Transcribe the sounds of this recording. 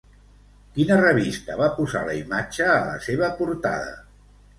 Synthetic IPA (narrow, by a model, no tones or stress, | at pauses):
kinərəβist̪əβapuza̰ləimad͡ʒəːlə̰seβ̞əpuɾt̪a̰ðə̰